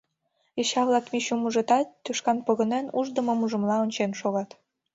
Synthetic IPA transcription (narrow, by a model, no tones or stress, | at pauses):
eɕɑβlˠɑk̪miɕumuʒət̪ɑt̪ːyʃkɑnpoɣə̆nenuʒd̪ə̆mŏmuʒə̆mlɑonʲt͡ɕenʃoɣɑt̪